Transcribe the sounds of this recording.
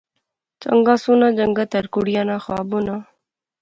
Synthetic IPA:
t͡ʃɐ̰ŋɡasunad͡ʒɐŋɡat̪ɐɾkuɽjanaxa̰ːbuna

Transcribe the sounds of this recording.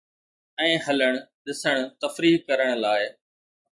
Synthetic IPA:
ɛ̃ːɦɐləɽ̃ɗɪsəɽ̃t̪ɐfɾiːkɐɾəɽ̃laːɪ

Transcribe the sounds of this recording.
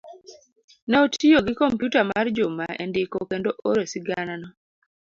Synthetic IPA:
nɛotʰijoɡɪkompjutamard͡ʒʊmaḛndɪkokendoʔoɾesiɡananɔ

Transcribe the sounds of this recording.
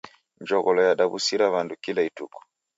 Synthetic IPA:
ɲd͡ʒɔɣɔlɔjaɗaβusiɾaβandukilaitṵku̥

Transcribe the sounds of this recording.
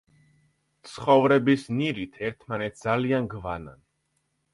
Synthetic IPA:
t̪sʰχɔvɾɛbisniɾit̪ʰɛɾt̪ʰmanɛt̪̚ʰd̪zalianɡvana̰n

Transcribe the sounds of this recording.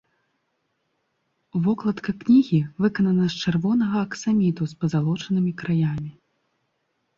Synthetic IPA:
vɔklˠɐt̪kɐknʲiɣʲivɨkɐnɐnɐst͡ʂɛrvɔn̪ɐɣɐːksamʲit̪uspɐzalˠɔt͡ʂɐnɨmʲikɾajamʲi

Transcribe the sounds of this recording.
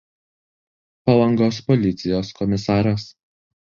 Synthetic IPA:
pɐlˠɐŋɡoːspɔlʲɪt̪sʲɪjoːskɔmʲɪsɑːɾɐs

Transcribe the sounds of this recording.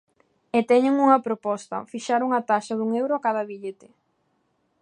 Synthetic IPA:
et̪ɛɲeŋuŋɐpɾopɔst̪ɐ̰fiʃaɾuŋɐt̪aʃɐðuŋewɾoakaðɐβiʎet̪ɪ

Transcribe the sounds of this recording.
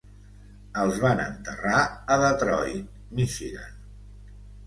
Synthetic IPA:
əlˠzβanə̰nt̪əraəðət̪ɾɔ̰j | miʃiɣa̰n

